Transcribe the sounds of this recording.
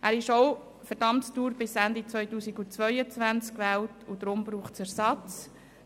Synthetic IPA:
ʔæːɾɪʃɔʊ | fɛɾdɑmtstuːɾbɪsændit͡svœjtuːsiɡut͡sʋœʏət͡sʋænt͡skʋæːltʊd̥̪ɾʊmbɾuːχt͡sæɾsɑt͡s

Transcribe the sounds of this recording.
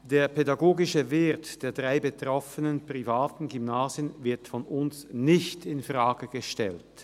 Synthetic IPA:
d̥eːɐpʰedaɡoːɡɪʃəvɪɐtd̥eːɐdʁaɪbətʁ̥ɔfənənpʁ̥ivaːtn̩ɡymnaːzjənvɪɐtfɔnʊnsnɪçtɪnfʁaːɡəɡəʃtɛ̰lt

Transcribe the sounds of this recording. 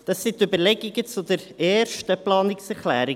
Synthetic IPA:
d̥ɑsːɪt̪øbəɾlɛɡ̥ɪɡət͡sud̥̪əɾɛːɾʃtəplɑːnɪksɛɾχlæːɾɪ

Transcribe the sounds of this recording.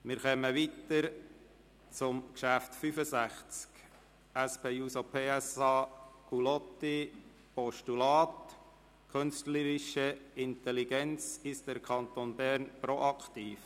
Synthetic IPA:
mɪɾχɛməʋit̪əɾ | t͡sʊmkʃæftfyfəsæχt͡sk | æspeːuːsopʰeːɛsɑːkulɔt̪ːi | pɔʃtulɑːt̪ | kʰʏnstləɾɪʃəɪnt̪ɛliɡ̥ɛnt͡sɪsd̥əɾkʰɑnt̪onbæɾnpɾoʔɑkt̪iːf

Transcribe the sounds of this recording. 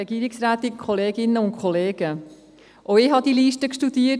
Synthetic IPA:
ɛɡ̥iːɾɪksɾæːt̪ɪkʰoleːɡɪnːəʊntkχoleːɡ̥ə | ʔoɪɦɑd̪iliːʃtəkʃtudiə

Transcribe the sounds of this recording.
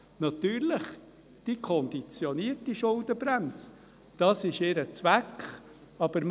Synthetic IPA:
nɑt̪yːɾləχ | d̥ikʰɔnd̪it͡sjɔniəɾtiʃʊld̪əbɾæms | d̥ɑsɪʃɪɾət͡svækχ | ɑb̥əɾm

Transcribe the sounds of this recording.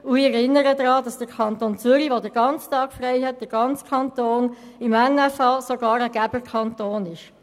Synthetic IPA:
ʊiɛɾɪnəɾədrɑːdɑsd̥əɾkʰɑntoːnt͡sʏɾiʋodəɾɡ̥ɑnt͡stɑːkfrɛɪɦɛt̚d̥əɾɡ̥ɑnt͡skʰɑntoːn | ɪmɛnɛfɑsoɡ̥ɑːɾəɡ̥æbəkʰɑntoːnɪʃ

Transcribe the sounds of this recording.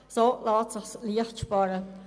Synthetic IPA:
solɑːtsəχsliəxtʃpɑɾə

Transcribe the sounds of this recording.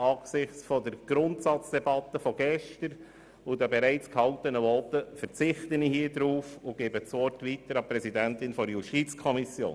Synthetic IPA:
ɑːɡsɪχt͡sfɔdəɾɡ̥ɾʊntsɑt͡sd̥ɛbɑt̪ːəfɔɡɛʃtəɾ | ʊd̪əbeɾæɪt͡skhɑʊt̪ənəʋɔtəfəɾt͡sɪχt̪ənihiːd̪ɾuːfʊɡ̥eːbət͡sʋɔtʋitəɾɑpɾɛsidæntɪnfɔɾjuʃtit͡skʰɔmisjo̰ːn

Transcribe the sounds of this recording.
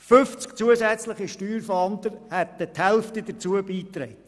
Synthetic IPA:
fʏft͡sk̚t͡suəsɛt͡sləχiʃtyːɾfɔɑnd̪əɾhɛt̪əthɛlftid̥̪ət͡suəbiːtɾɛɪt

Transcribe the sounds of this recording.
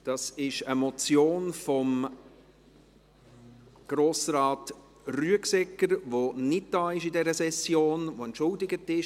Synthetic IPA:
d̥ɑsɪʃəmɔt͡sjoːnfɔm | ɡ̥ɾoːsɾɑːt | ryəksɛkːəɾʋonɪt̚d̥ɑːɪʃidɛɾəsɛsjoːnvoɛntʃʊldɪɡətɪʃ

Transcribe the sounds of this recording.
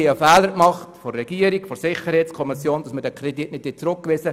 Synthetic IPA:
iəfɛːləɾkmɑχtfɔrːɛɡ̥iəɾikfɔɾsɪχəɾhɛɪtskʰɔmɪsjoːnd̥ɑsmədɛkʰrɛditnɪt̚ːɪt͡sɾʊk̚kʋɪsə

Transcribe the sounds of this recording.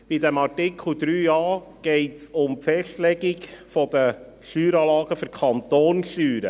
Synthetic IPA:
b̥idɛmɑrtɪkʰl̩d̥̪ɾyːjɑːɡ̥ɛɪtsʊmpfɛstlɛɡɪɡfɔd̪ə | ʃyːɾɑːlɑːɡəfʏɾkʰɑnt̪oːnʃyːɾə̰

